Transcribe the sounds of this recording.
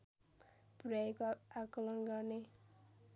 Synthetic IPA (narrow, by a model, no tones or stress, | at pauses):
puɾajkoakolʌnɡʌrne